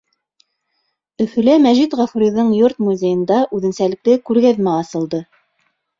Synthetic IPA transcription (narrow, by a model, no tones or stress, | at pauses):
ɵ̆fɵ̆læmæʒit̪ʁɑfuɾiðɤɴjoɾt̪muzʲejɤ̆nd̪ɑʔʉðɘ̆nsælɘ̆k̚t̪ɘkʉɾɡæðmæɑsɤ̆lˠd̪ɤ